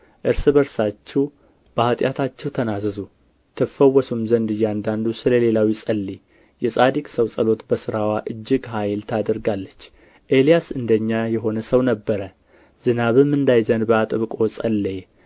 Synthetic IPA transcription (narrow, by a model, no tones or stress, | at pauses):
ʔɨɾsɨbəɾsat͡ʃːɛw | b̥əhat̪ʼjat̪ʰat͡ʃːɛwt̪ʰənazɨzu | t̪ʰəfəwːɔsumzənd̪ɨjːɛand̪and̪usɨləle̞lawisʼəlːi | jɛsʼad̪ikʼsəwsʼəlo̞t̪bəsɨɾawaʔɨd͡ʒːɪɡɦajlt̪ʰad̪əɾɡalːət͡ʃː | ʔe̞lijasɨnd̪əɲːajɛɦo̞nəsəwnəbːəɾə | zɨnaβɨmːɨnd̪ajzənbəat̪ʼɨβkʼo̞sʼə̰lːe